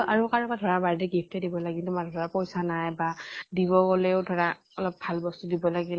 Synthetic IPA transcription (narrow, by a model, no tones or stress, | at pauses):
aɹukaɹɔkadʱɔɹabaɹdɛɡipʰtɛdibɔlaɡilumadɔdʱɔɹapɔjsanajbadiβɔkɔlɛʊdʱɔɹa | ɔlɔp̚bʱalbɔstudibɔlaɡi